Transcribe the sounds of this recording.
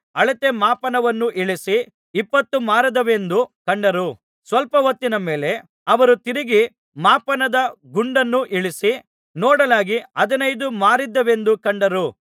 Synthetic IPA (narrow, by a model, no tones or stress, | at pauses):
ɐɭɐt̪emaːpɐnɐʋɐnːuʔiɭisi | ipːɐt̪ːumaːɾɐd̪ɐʋe̞nd̪ukɐɳɖɐɾu | sʋɐlpɐʋɐt̪ːinɐme̞ːle̞ | ɐʋɐɾut̪iɾiɡi | maːpɐnɐd̪ɐɡuɳɖɐnːuʔiɭisi | nɔːɽɐlaːɡiɐd̪ɐnɐjd̪umaːɾid̪ːɐʋe̞nd̪ukɐɳɖɐɾu